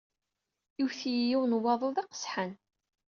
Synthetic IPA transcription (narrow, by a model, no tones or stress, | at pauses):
iwθijiwnwːɑðˤoðˤiqə̥sħən